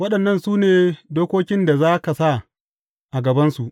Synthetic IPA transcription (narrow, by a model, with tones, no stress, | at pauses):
wɐ˦ɗɐ˨nːɐ˦nsuː˦neː˨doː˦kʷoː˦kʲɪ˦nda˨zaː˦ka˨sa˦˨ | ʔa˨ɡɐ˨bɐ˦nsu˨ʔ